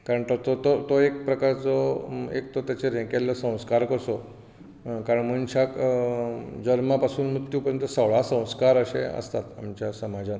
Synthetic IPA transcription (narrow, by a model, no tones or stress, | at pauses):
kaɾəɳt̪ot̪ot̪ot̪oek̚pɾəkaɾt͡soḛk̚t̪ot̪jat͡ɕeɾɛ̃kelːəsə̃w̃skaɾkəɾso | kaɾəɳmənt͡ɕʰak | d͡ʑəɾmapasuːnmɾut̪jupəɾjə̃nt̪əsəʋɭasə̃w̃skaɾəʃḛə̰st̪at̪a̰mt͡ɕjasəmad͡ʑa